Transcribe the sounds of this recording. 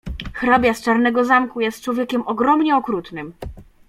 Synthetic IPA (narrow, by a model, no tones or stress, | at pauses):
xɾɔbʲjast͡ʂaɾnɛɡɔzamkujɛst̪̚t͡ʂwɔvʲjɛkʲɛmɔɡɾɔmɲɛɔkɾut̪nɘm